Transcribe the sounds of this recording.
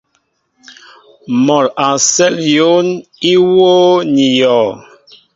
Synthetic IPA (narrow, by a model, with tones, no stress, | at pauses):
mɔ˨la˨sɛ˦ljo˦ni˦woː˦ni˨jɔ˨